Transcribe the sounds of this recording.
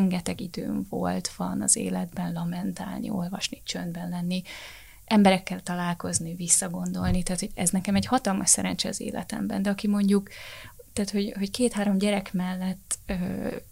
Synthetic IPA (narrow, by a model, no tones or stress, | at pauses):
ŋɡɛt̪ɛɡid̪ø̰ːɱvo̰lt̪ʋɒnɒ̰zḛːlɛd̪bɛnlɒmɛnt̪a̰ːlnḭo̞lvɒʃnit͡ʃønd̪bɛnlɛnːi | ʔɛmbɛɾɛkːɛlt̪ɒlaːlko̞znivisːɒɡo̞nd̪o̞lnit̪aːt̪ho̞ɟɛznɛkɛmɛɟhɒt̪ɒlmɒʃsɛɾɛnt͡ʃɛɒ̰zḛːlɛ̰t̪ɛ̰mbɛ̰nd̪ɛɒkimo̞ɲɟukt̪ɛːt̪ho̞ɟho̞ckeːt̪haːɾo̞mɟɛɾɛkmɛlːɛt̪ːøː